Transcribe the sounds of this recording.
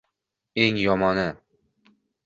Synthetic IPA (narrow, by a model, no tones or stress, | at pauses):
eŋjɒmɒnɪ